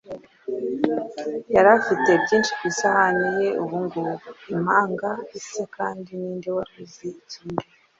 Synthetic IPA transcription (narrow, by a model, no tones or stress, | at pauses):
jaɾafite̞bɟiːnʃiɡisahanije̞uβuŋɡoimaːŋɡaisekaːndiniːndewaɾizituːnde